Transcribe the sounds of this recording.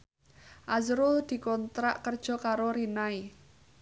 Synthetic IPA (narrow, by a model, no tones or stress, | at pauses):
ʔazɾʊld̪̥i̤kɔnt̪ɾaʔkərd̥ʒ̥ɔ̤kaɾoɾinai